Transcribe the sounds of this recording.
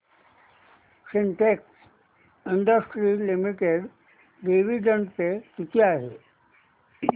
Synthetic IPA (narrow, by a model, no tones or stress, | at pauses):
siɳʈeks | iɳɖəsʈɾilimiʈeɽ | ɖiʋiɖəɳɖpet̪it̪iaɦe